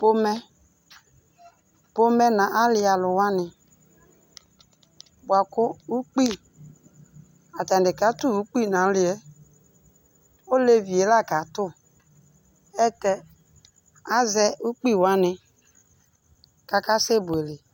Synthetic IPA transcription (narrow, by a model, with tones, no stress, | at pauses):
po˦mɛ˦ | po˦mɛ˦na˨ʔa˦lɪ˦a˨lʊ˨wa˦nɪ˧ | bwa˨kʊ˦u˦k͡pi˦˨ | a˨ta˨n˨dɪ˨ka˨˦tu˦u˦k͡pi˦˨na˨˦lɪ˨˦ɛ˨˦ | o˦le˦vi˨e˨˦la˦˨ka˨˦tʊ˦˨ | ɛ˦tɛ˨ | a˦zɛ˦u˦k͡pi˦˨wa˦nɪ˧ | ka˦ka˦se˦bʊ˨e˨lɪ˨